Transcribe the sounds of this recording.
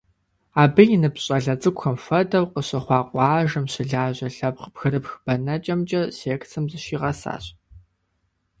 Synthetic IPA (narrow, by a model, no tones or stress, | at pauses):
aːbɨjɪnɨpɕʼɐɮɐt͡sʼɨkʷxɐmfɐdɐwqəɕɐχʷɑːqʷʼɑːʒɐmɕɪɮaːʑɐɬɐpqpxɨɾɨpxb̥ɐnɐt͡ʃʼɐmt͡ʃʼɐɕeːkt͡sʰɨmzɨɕiːʁɐsa̰ːɕʼ